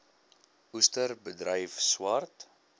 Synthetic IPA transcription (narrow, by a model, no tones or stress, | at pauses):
ustərbədɾəjfswɐrt